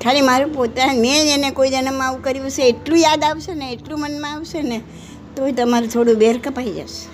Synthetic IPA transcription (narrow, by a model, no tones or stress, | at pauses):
kʰalimaɾũpot̪amẽenekoid͡ʒənəmːãaʋũkəɾiʋəʃeːʈlũjad̪aʋʃeneːʈlũmənmãaʋʃene | t̪oet̪əmaɾũt̪ʰoɽũbeɾkəpaid͡ʒa̰ʃe̥